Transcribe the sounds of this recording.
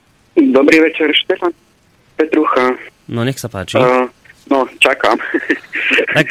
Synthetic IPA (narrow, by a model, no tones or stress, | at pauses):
d̪ɔbɾivɛt͡ʃɛɾʃt̪ɛfan | pɛt̪ɾuxanonʲɛksapat͡ʃi | not͡ʃakam | t̪ak